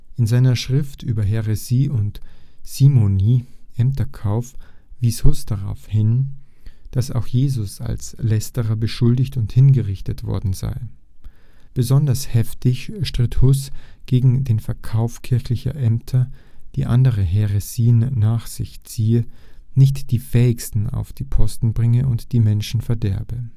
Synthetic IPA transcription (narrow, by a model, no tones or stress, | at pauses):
ʔɪnzaɪnɐʃʁ̥ɪftʔyːbɐɦeʁeziːʔʊntz̥iːmoniːʔɛmtʰɐkʰaʊfv̥iːshʊsd̥aʁa̰ʊfhɪn | d̥asa̰ʊxjeːzʊsa̰lslɛstəʁɐbəʃʊldɪçtʊnthɪnɡəʁɪçtətv̥ɔ̰ɐdn̩za̰ɪ | b̥əzɔndɐshɛftʰɪçʃtʁ̥ɪthʊsɡ̥eːɡŋ̩deːnfɛɐkʰaʊfkʰɪɐçlɪçɐ̰ʔɛmtʰɐd̥ḭːʔa̰ndəʁəɦeʁesiːənːaːχz̥ɪ̰çt͡siːənɪçtd̥iːfɛːɪçstn̩a̰ʊfd̥iːpʰɔstn̩bʁɪŋəʔʊntd̥iːmɛnʃn̩fɛɐdɛɐbə